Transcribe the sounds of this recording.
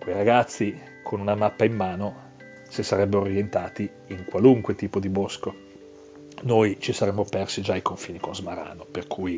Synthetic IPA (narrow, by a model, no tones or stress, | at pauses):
kejɾaɡat̪sːi | kʰonunamapːaimːaːno | sisaɾɛbːeɾorjent̪aːt̪i | iŋkwaluŋkwet̪iːpod̪ibosko | nojt͡ʃisaɾɛmːopɛrsid͡ʒaːjkoɱfiːnikonzmaɾa̰ːnoperkʰuːj